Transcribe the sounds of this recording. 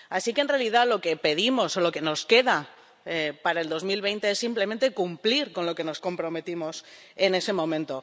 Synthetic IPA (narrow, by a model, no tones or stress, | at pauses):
asikenrealiðalo̞ke̞pe̞ð̞imo̞solo̞ke̞no̞ske̞ða | epaɾae̞ld̪o̞zmilβe̞jnt̪eesːimple̞ment̪e̞kumpliɾko̞nlo̞ke̞no̞sko̞mpɾo̞me̞t̪imo̞s | e̞ne̞se̞mõ̞mẽnt̪o̞